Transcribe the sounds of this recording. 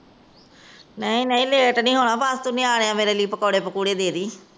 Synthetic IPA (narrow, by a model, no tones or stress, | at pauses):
nəĩːnəĩːleːʈnĩːɦoːɽ̃ãːpaːst̪unĩaːɽeãːmeːɾeːliːpəkoːɽeːpəkuːɽeːd̪eːd̪iː